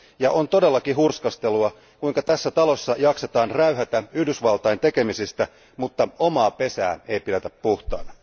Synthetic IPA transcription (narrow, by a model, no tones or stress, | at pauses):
jɑʔont̪odelːɑkihurskɑst̪eluɑ | kuiŋkɑt̪æsːæt̪ɑlosːɑjɑkset̪ɑːnræyɦæt̪æyhdysʋɑlt̪ɑjent̪e̞ke̞misist̪æ | mut̪ːɑomɑːpe̞sæ̰ːe̞ipilet̪æppuht̪ɑ̰ːnɑ